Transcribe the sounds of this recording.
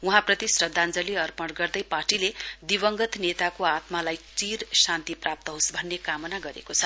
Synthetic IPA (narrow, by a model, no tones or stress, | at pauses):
uɦãprʌt̪isrʌd̪ʱːand͡zʌliʌrpʌɽɡʌrd̪ʌjparʈiled̪ibʌŋɡʌt̪net̪akoat̪malajt͡siɾsant̪iprap̚t̪ʌɦosbʱʌnːekamʌnaɡʌɾḛkot͡sʰʌ